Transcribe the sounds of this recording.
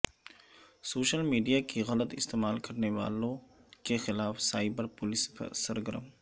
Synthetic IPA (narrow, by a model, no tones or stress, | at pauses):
soːʃəlmiːɖijakiɣɐlət̪ɪst̪eːmaːlkɐɾneʋa̰ːlõkexɪlaːfsaːɪbəɾpʊlɪssɐɾɡəɾə̰m